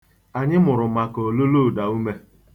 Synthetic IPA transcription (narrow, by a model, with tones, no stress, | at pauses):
a˨ɲɪ˦mʊ˨ɾʊ˨ma˨ko˨lo˦lo˦˨da˨u˦me˦